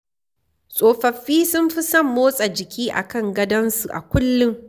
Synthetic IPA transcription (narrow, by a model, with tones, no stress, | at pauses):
sʼoː˨ɸɐ˨ɸːiː˦sʊ˦mɸɪ˦sɐ˦mːoː˦sʼa˨d͡ʒɪ˨kʲiː˦ʔa̰˨kɐ˦˨ŋɡɐ˦dɐ˦nsu˨ʔa̰˨kʷʊ˦lːʊ˦ŋ